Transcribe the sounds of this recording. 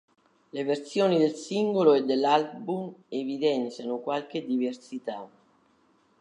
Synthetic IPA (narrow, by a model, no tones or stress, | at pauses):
leversjoːnid̪elsiŋɡoloed̪ːelːalbumevid̪ɛnt̪sjanʊkwalk̟ed̪iversit̪a